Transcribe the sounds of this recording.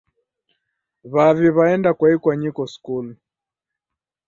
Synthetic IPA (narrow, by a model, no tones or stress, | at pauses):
βaβiβaɛndakwaikwaɲikɔskul